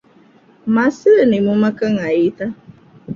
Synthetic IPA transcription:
masɪɾenɪmumakaŋ̩ajita

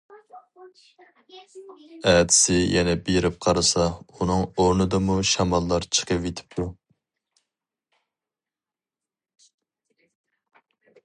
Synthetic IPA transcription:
æːd̪ɪ̥sɪjɛnɛbeɾɪp̚qʰɑɾɨsɑunɨŋoɾnɨd̪ɨmuʃɑmɑlˠːɑɾt͡ʃʰə̥qəvet̪ʰɪ̥p̚t̪ʰu

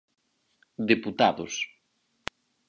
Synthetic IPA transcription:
d̪eput̪aðʊs

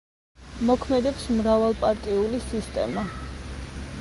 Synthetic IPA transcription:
mɔkʰmɛd̪ɛpsmɾavalˠpʼaɾt̪ʼiulisist̪ʼɛ̰ma

